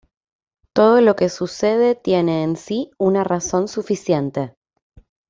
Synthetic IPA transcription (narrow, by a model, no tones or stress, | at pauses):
t̪o̞ð̞o̞lo̞ke̞suse̞ðe̞t̪je̞ne̞ːnsiunaraso̞nsufisjent̪e̞